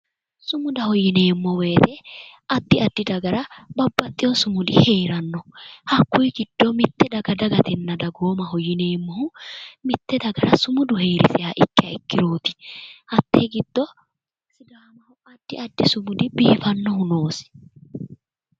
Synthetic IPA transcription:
sʊmʊd̪ɐhɔjːɪne̞ːmːɔwe̞ːt̪ɛɐd̪ːɪɐd̪ːɪd̪ɐɡɐɾɐbɐbːɐt̪ʼːɪjɔsʊmʊd̪ɪhe̞ːɾɐnːɔhɐkːʊjɡɪd̪̥ːɔmɪt̪ːɛd̪ɐɡɐd̪ɐɡɐt̪ɛnːɐd̪ɐɡoːmɐhɔjɪne̞ːmːɔhʊmɪt̪ːɛd̪ɐɡɐɾɐsʊmʊd̪ʊheːɾɪsɪjaːʔɪkːɪɐɪkːɪɾo̞ːt̪ɪ̥hɐt̪ːeɡɪd̪̥ːɔ | sɪd̪aːmɐhʊɐd̪ːɪɐd̪ːɪsʊmʊd̪ɪbiːfɐnːɔhʊno̞ːsɪ̥

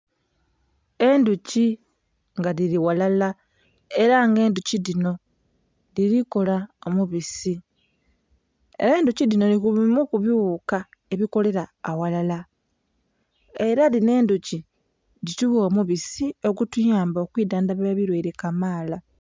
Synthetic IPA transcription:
e̞nduci | ŋɡaɾiɾiwalala | e̞ɾaŋɡe̞ːnduciðino̞ | liɾiko̞laomuβisi | e̞̰ɾe̞ːnducidino̞nikuβimukuβjuuka | e̞βiko̞le̞ɾaːwalala | e̞ɾaline̞ːnduci | dituβuomuβisio̞kutujaːmbokwiːdaːndaβaβaβiɾweːɾe̞kamaːla

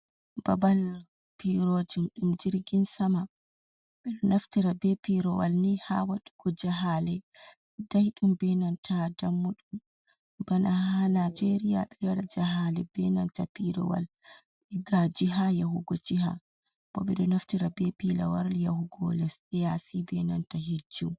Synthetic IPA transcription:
b̥abal | piɾod͡ʒumɗumd͡ʒiɾɡinsama | ɓɛɗɔnaftiɾabɛpiɾɔwalnihawaɗuɡ̥ɔd͡ʒaɦalɛ | dajɗumbɛnantʰadamːuɗum | banahanad͡ʒeɾija̰ɓɛɗɔɗad͡ʒaɦalɛbɛnantapiɾɔ̰wa̰l | ɓɛɡad͡ʒiɦajahuɡɔd͡ʒiɦa̰ | b̥ɔɓɛɗɔnaftiɾabɛpila̰waɾlijahuɡɔ̰lɛsɛjasibɛnantaɦid͡ʒːu

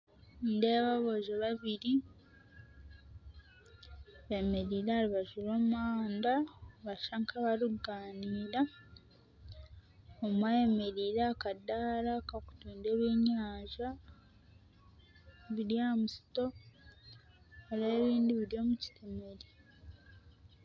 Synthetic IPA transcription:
ndeβaβo̞ʒeβaβiɾi | βe̞me̞ɾiːɾaːɾiβaʒuɾoːmmaːndaβaʃaŋkaβaɾuɡaːniːɾa | omwajeme̞ɾiːɾakadaːɾakaku̥tuːndeβweːɲaːʒa | βiɾjaːmusi̥to̞ | leːβiːndiβiɾjo̞ːmuci̥teme̞ɾi

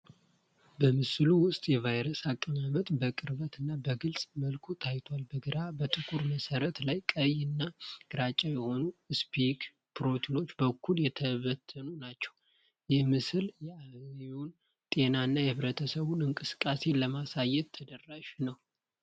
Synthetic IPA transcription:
bəmɨsluwʊst̪ʼjɛvajɾəsakʼːəɲamət̪bəkʼɨɾβət̪ɨnːabəɡɨlsʼməlkʰut̪ʰajt̪ʰwalbəɡəɾabət̪ʼɨkʰʼuɾməsəɾət̪lajkʼəjɨnːaɡ̥ɨɾat͡ʃʼajɛho̞nuɨspʰik | pɨɾo̞t̪ʰilo̞t͡ʃːbəkʰːuljɛt̪ʰəβət̪ʰːənunat͡ʃːɛw | jɛhmɨsɨljɛaβun | t̪ʼe̞naɨnːajɛhɨβɾət̪ʰəsəβunɨŋkʼɨsɨ̥kʼːase̞ləmasajːɛt̪ːʰəd̪ərːaʃnəw

